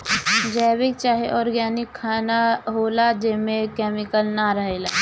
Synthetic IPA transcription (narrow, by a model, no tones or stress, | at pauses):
d͡ʒɛːbɪk̚t͡ʃaːɦeʔɔːɾɡaːnɪkʰːaːnaɦoːlad͡ʒemẽkɛːmɪkəlnaɾəɦelaː